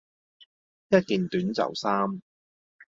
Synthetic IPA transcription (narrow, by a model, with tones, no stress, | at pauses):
jɐ˥t̚kiː˨nt̪yː˨˥nt͡sɐ̰˨˩wsaː˥m